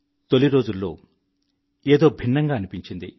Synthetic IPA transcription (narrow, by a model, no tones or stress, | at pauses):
t̪o̞liɾo̞ːd͡ʒulːo̞̰ː | eːd̪o̞ːbʱinːɐŋɡaːɐnipiɲt͡ʃind̪ḭ